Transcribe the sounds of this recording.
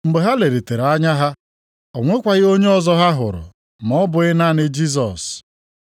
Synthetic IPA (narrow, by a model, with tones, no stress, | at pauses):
ŋ͡m̩˨ɡ͡be˨ɦa˦le˨ɾe˨te˨ɾa˦ɲa˦ɦa˦ | o˨ŋʷe˦kʷa˨ɣɪ˦o˦ɲe˦ɔ˦zɔ˦ɦa˦ɦʊ̰˨ɾʊ̰˨ | mɔ˦bʊ˨ɪ˦na˦nɪ˦d͡ʒi˦s̬ɔ˨s